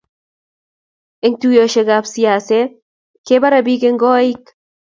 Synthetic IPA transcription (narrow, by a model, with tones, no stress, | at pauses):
ɪ˦ŋtujo˨ʃe˨ɡapsia˨se | keba˦ɾabi˦ke˦ŋɡɔ˦i˦k